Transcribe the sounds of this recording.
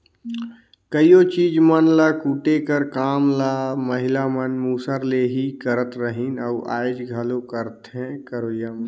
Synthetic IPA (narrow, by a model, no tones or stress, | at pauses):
kəiot͡ʃiːd͡ʒmənlakuːʈekəɾkaːmlaməɦɪlamənmuːsəɾleɦikəɾət̪ɾəɦinəuʔa̰ːɪd͡ʒɡʱəlokəɾət̪ɦɛ̃kəɾoːjam